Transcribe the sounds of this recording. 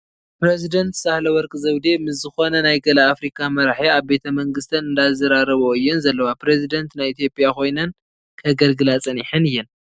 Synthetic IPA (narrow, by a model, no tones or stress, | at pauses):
pɾezid̪ɐnt̪sahlɐwɔɾkʼɨzɐwd̪emɨs̬zɨxo̞nɐnajɡɐlɐafɾikʰʼamɐɾaħiaβbe̞t̪ʰɐmɐŋɡɨst̪ʰɐnɨnd̪azɐɾaɾɐβoɨjːunzɐlːɐwapɾezid̪ɐnt̪najit̪ʰjo̞pʼijako̞jnɐn | kʰɐɡɐlɡɨlat͡sʼɐniħɨnɨjːɨn